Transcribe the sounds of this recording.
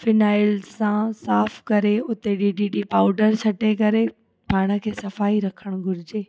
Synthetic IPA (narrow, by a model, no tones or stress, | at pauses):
fɪnaːɪlzsãsaːfʰkɐɾeʊt̪eɗiɖiːɖipaːʊɖəɾsʰɐʈekɐɾe | paːɽ̃ə̆kʰeːsɐfaːiɾɐkʰəɽ̃ɡʱʊɾɪd͡ʑeː